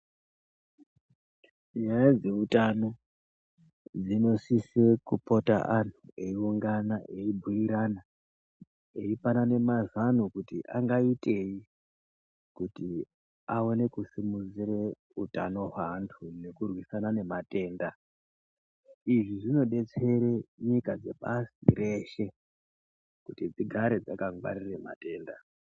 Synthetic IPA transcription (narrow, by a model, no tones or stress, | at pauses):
ɲajad͡ze̞utano | d͡zino̞sisekupo̞ta̰ʔantʰueiuŋɡanaʔeibʱuiɾana | e̞ipanane̞mazanukutḭʔaŋɡaite̞ji | kuti | ao̞ne̞kusimud͡ziɾe | utano̞ɦwantʰune̞kurwisanane̞mate̞ːnda | iʐiʐino̞ɗe̞t͡se̞ɾe̞ɲikad͡ze̞pasḭre̞ʃe̞ | kutid͡ziɡʱaɾed͡zakaŋɡwa̰ɾirema̰te̞ːnda